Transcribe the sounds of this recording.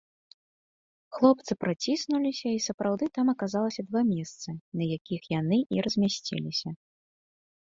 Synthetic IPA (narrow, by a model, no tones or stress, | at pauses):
xlˠɔp̚t̪sɨpɾat͡sʲisnulʲisʲɐisɐpɾawd̪ɨt̪amɐkazalˠɐsʲɐd̪vamʲɛst̪sɨnɐjakʲixjanɨʔiɾɐzʲmʲasʲt͡sʲɛ̰lʲisʲɐ